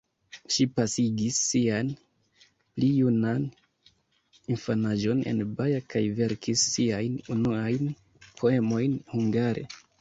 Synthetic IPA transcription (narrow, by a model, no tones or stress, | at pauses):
ʃipasiɡisːian | plijunan | infanaʒo̞ne̞̰nbajakajve̞ɾkʰisːiajnunuajn | pʰo̞e̞mo̞jnhuŋɡaɾʔe̞̰